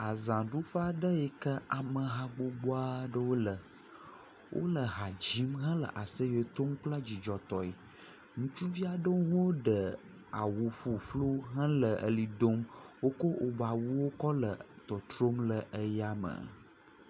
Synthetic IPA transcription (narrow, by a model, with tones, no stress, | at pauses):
a˨zã˨ɖu˦ɸə˦a˨ɖə˦ɛ˨kə˦a˨mə̃˨ɦa˨ɡ͡bo˨ɡ͡bo˦a˦ɖə˦wo˦lə˨ | wʔo̰˦lə˨ɦa˨d͡ʑi˨˦mɦə̃˦lə̰˨ʔa˨sə˦je˨t̪o˦m˦k͡plə˦d͡ʑi˨d͡ʒɔ˨t̪ɔ˨e˨ | ŋũ˦t͡ʃu˦vi˦a˨ɖə˦wɦo˦ɖə˨ | a̰˨wu˨ɸu˨flo˦ɦə̃˦lə˨ʔə̰˨li˨d̪o˦mwo˦ko˦ʔo˨ba˨wu˦wo˦kɔ˦lə˨t̪ɔ˨t̪ɾo˦mlə˨ʔə˦ja˦mə̰˨